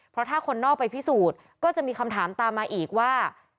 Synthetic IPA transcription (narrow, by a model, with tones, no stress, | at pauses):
pʰɾɔ˦˥t̪ʰaː˥˩kʰo˧nːɔː˥˩k̚pːa˧jpʰi˦˥˩suː˨˩t̪̚ | kɔː˥˩t͡ɕa˨˩ʔmiː˧kʰa˧mt̪ʰaː˩˦mt̪aː˧mːaː˧ʔiː˨˩k̚waː˥˩